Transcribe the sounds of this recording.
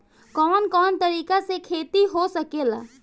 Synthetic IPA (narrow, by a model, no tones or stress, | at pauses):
kɔːnkɔːnt̪ɐɾiːkasekʰeːt̪iɦosɐkeːla̰ː